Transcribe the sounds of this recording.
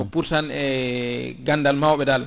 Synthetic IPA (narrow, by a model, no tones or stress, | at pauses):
ɔpuɾsanɛ | ɡandalmawɓɛdal